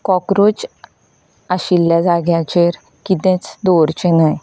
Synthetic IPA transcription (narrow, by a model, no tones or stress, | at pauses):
kɔkɾud͡ʑ | aɕilːjad͡zaɡjat͡ɕeɾ | kit̪ɛ̃t͡sd̪oɾt͡ɕenaj